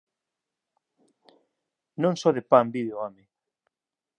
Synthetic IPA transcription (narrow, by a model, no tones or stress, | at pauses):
nõŋsɔðepambiðeoamɪ